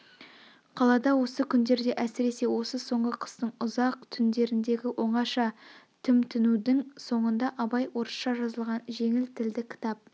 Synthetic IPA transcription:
qʰɑlˠɑd̪ɑwo̞səkʲʰʏnd̪e̞ɾd̪e̞ʔæsɪɾe̞se̞wo̞səso̞ɴəqʰə̥st̪əɴʊzɑq̚t̪ʰʏnd̪e̞ɾɪnd̪e̞ɡʲɪwʔo̞ɴɑʃɑt̪ʰʏmt̪ʰʏnud̪ɪŋso̞ɴənd̪ɑʔɑbɑjwo̞ɾsʃɑʒɑzəlˠʁɑnʒe̞ŋɪlt̪ʰɪld̪ɪkʲʰɪ̥t̪ɑp̚

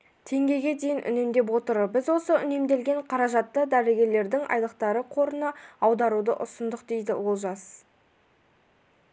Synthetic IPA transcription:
t̪ʰe̞ŋɡʲe̞jɡʲe̞d̪e̞jɪnʔʏ̰ne̞md̪e̞p̬wo̞t̪əɾəbɪzwo̞səʏne̞md̪e̞lɡʲe̞ɴqʰɑɾɑʒɑt̪ːəd̪æɾɪɡʲe̞ɾle̞ɾd̪ɪŋʔɑ̰jlˠəq̚t̪ɑɾəqʰo̞ɾənɑɑwd̪ɑɾud̪ə̰ʔʊsənd̪əq̚d̪e̞jd̪ɪ̰wo̞lˠʒɑs

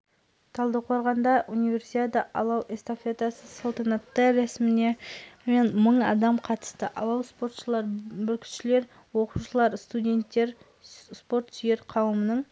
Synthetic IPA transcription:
t̪ʰɑlˠd̪əqʰoɾʁɑnd̪ɑʔunivʲe̞ɾsit̪ʲet̪əʔɑlˠɑwʔest̪ofet̪asəsolˠt̪ɑnɑt̪ːəɾæsmɪne̞menməɴɑ̰d̪ɑmqʰɑt̪ə̥st̪əʔɑwɑlˠspo̞ɾt̪ʃəlˠɑɾbʏlkʲʰɪ̥ʃɪle̞ɾ | wo̞quʃəlˠɑɾst̪udʲe̞nt̪ːe̞ɾ | spo̞ɾt̪ʒ̥ʏje̞ɾqʰɑwəmənəɴ

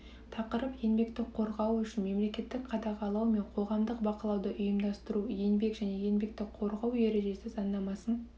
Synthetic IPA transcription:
t̪ʰɑqəɾəpje̞nbe̞kt̪ɪk̚qʰo̞ɾʁɑwʏʃɪnme̞mle̞kʲe̞t̪ːɪkqʰɑd̪ɑʁɑlˠɑwme̞ɴqʰo̞ʁɑmd̪əqbɑqəlˠɑwd̪əʔʊjəmd̪ɑst̪əɾuje̞nbe̞kʒ̥æne̞je̞nbe̞k̚t̪ɪkqʰo̞ɾʁɑwje̞ɾe̞ʒe̞sɪzɑnd̪ɑmɑsən

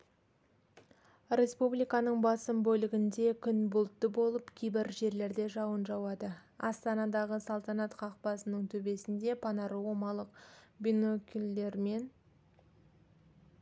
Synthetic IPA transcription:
rʲe̞spublijkɑnəɴbɑsəmbɵlɪɡʲɪnd̪e̞kʲʰʏnbʊlˠt̪ːəbo̞lˠəpkʲʰijbɪɾʒe̞ɾle̞ɾd̪e̞ʒɑwənʒɑwɑd̪əɑ̰st̪ɑnɑd̪ɑʁəsɑlˠt̪ɑnɑt̪qʰɑq̚pɑsənəɴt̪ʰɵbe̞sɪnd̪e̞pʰɑnɑɾəwomɑlˠəqbʲinokʲʰild̪eɾme̞n

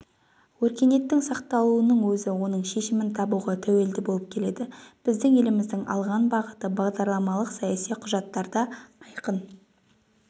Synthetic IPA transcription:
wɵɾkʲe̞ne̞t̪ːɪŋsɑqt̪ɑlˠuənəɴwɵzɪwo̞nəɴʃe̞ʃɪmɪnt̪ʰɑbuʁɑt̪ʰæwe̞ld̪ɪbo̞lˠəp̚kʲʰe̞le̞d̪ɪb̥ɪzd̪ɪŋe̞lɪmɪzd̪ɪŋɑ̰lˠʁɑnbɑʁət̪əbɑʁd̪ɑɾlˠɑmɑlˠəqsɑjɑsijqʰʊʒɑt̪ːɑɾd̪ɑɑjqən

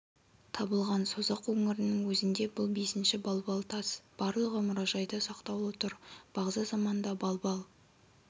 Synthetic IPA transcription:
t̪ʰɑbəlˠʁɑnsozɑqwɵŋɪɾɪnɪŋwɵzɪnd̪e̞bʊlˠbe̞sɪnʃɪbɑlˠbɑlˠt̪ʰɑsb̥ɑɾlˠəʁəmʊɾɑʒɑjd̪əsɑqt̪ɑw̪ˠwot̪əɾb̥ɑʁzɑzɑmɑnd̪ɑbɑlˠbɑlˠ

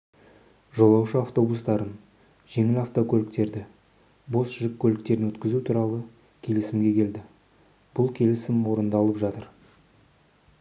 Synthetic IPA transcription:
ʒo̞lˠɑwʃəaft̪o̞bust̪ɑɾən | ʒ̥e̞ŋɪlaft̪o̞kʲʰɵlɪkt̪e̞ɾd̪ɪ | bo̞sʒɪkʰʲːɵlɪk̚t̪e̞ɾɪnwɵt̪kʲɪzut̪ʰuɾɑlˠə | kʲʰe̞lɪsɪmɡʲe̞kʲʰe̞ld̪ɪ | b̥ʊlˠkʲʰe̞lɪsɪmwo̞ɾənd̪ɑlˠəpʒɑt̪əɾ

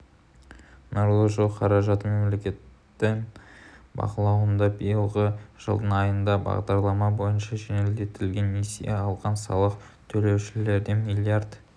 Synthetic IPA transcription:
noɾlˠoʒolˠqʰɑɾɑʒɑt̪əme̞mle̞kʲe̞t̪ː | ɪ | bɑ̰qəlˠɑwənd̪ɑbijəlˠʁəʒ̥ə̰lˠd̪ənɑjənd̪ɑbɑ̰ʁd̪ɑɾlˠɑmɑbo̞jənʃɑʒeneld̪e̞t̪ɪlɡʲe̞nːesijeɑlˠʁɑnsɑ̰lˠəq | t̪ʰɵle̞wʃɪle̞ɾd̪e̞milʲiard̪

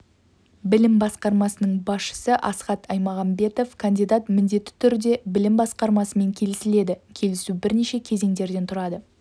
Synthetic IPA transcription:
bɪlɪmbɑsqɑɾmɑsənəɴbɑsʃə̥səʔɑsqɑt̪ɑjmɑʁɑmbe̞t̪o̞fkʰɐnd̪ijd̪at̪mɪnd̪e̞t̪ːɪ̥t̪ʰʏɾd̪e̞bɪlɪmbɑsqɑɾmɑsəme̞ŋkʲʰe̞lɪsɪle̞d̪ɪkʲʰe̞lɪsubɪɾneʃe̞kʲʰe̞ze̞ŋd̪e̞ɾd̪e̞nt̪ʰʊɾɑd̪ə

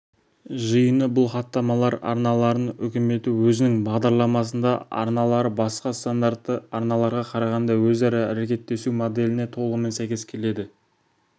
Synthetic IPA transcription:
ʒəjənəbʊlˠχɑt̪ːɑmɑlˠɑɾɑ̰ɾnɑlˠɑɾənʏ̰kʲɪme̞t̪ɪwɵzɪnɪŋbɑʁd̪ɑɾlˠɑmɑs̬ənd̪ɑɑ̰ɾnɑlˠɑɾəbɑsqɑst̪and̪ɑɾt̪ːəɑɾnɑlˠɑɾʁɑqʰɑɾɑʁɑnd̪ɑwɵzɑɾɑæɾekʲe̞t̪ːe̞sumod̪e̞lɪne̞t̪ʰo̞lˠəʁəme̞nsæjkʲe̞skʲʰe̞le̞d̪ɪ

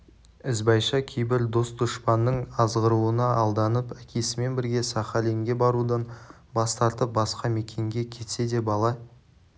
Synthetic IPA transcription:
ɪzbɑjʃɑkʲʰejbɪɾd̪o̞st̪ʰʊʃpɑnːəɴɑzʁəɾuənɑɑlˠd̪ɑnəpækʲe̞sɪme̞nbɪɾɡʲe̞sɑχɑle̞ŋɡʲe̞bɑɾud̪ən | bɑst̪ɑɾt̪əp̚bɑsqɑme̞kʲe̞ŋɡʲekʲʰe̞t̪se̞d̪e̞bɑlˠɑ

